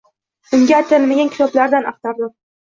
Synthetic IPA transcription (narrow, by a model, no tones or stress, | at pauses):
ʊŋɡʲaːt̪ʰɪlmaɡʲankʰʲɪ̥t̪ʰɒblaɾd̪anɑqt̪aɾd̪ɪm